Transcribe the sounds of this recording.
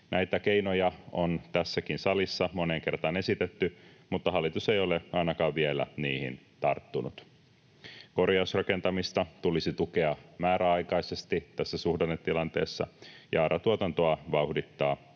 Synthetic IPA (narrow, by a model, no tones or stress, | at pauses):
nʔæjt̪æke̞inojɑont̪æsːækinsɑlisːɑmo̞neŋke̞rt̪ɑne̞sit̪et̪ːymut̪ːɑɦɑlːˑit̪usejo̞leɑinɑkɑːʋʋielæ̰niːhḭnt̪ɑ̰rt̪ːunut̪ | ko̞rjɑusrɑke̞nt̪ɑmist̪ɑt̪ulisit̪uke̞ɑmæːɾæɑjkɑise̞st̪it̪æsːæsuhdɑnːet̪ːilɑnt̪e̞̰ːsːɑ̰jɑːɾʔɑt̪uot̪ɑnt̪oɑʋɑuhdit̪ːɑː